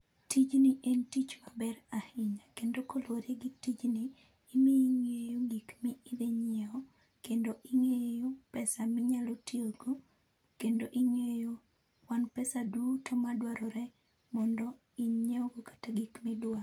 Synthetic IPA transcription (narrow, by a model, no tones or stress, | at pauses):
tit͡ʃnɪʔentit͡ʃmabɛɾahɪɲakendokoloɾeɡitit͡ʃniː | miiŋejoɡikmiːd̪eɲeɔ | kendoʔɪŋejopɛsamɪɲalotioɡo | kendoʔɪŋejo | wanpɛsaduotʰɔmadwaɾɔɾɛ | mɔndɔ | iɲeɔɡokḁtaɡikmɪdwa